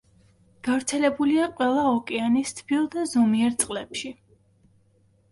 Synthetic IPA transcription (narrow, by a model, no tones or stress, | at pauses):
ɡ̥avɾt̪sʰɛlɛbuliaqʼwɛlˠaɔkʼɛanist̪ʰb̥ilˠd̪azɔmiɛɾt̪sʼqʼlɛpʃi